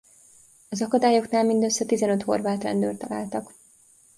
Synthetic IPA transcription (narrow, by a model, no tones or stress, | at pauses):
ɒzɒkɒd̪aːjo̞knaːlmind̪øsːɛt̪izɛnø̞t̪ho̞̰rvaːt̪rɛ̰nd̪ø̰ːrt̪ɒla̰ːlt̪ɒk